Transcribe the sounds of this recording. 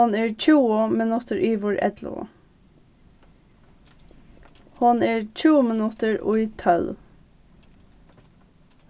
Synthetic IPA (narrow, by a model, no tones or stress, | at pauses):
neːɹc͡çʰuːəmɪnʉt̪əɹʔiːʋʊɹʔɛ̰d̪lə̰ | hʊneːɹc͡çuːəmɪnʉt̪əɹʊ̰it̪ʰœl